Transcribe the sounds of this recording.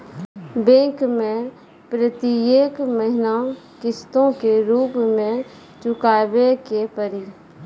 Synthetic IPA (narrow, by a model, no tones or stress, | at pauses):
bẽːkmẽ | pɾət̪ieːkməɦɪna | kɪst̪õkeɾuːpmẽ | t͡ʃʊkaːbekepəɾi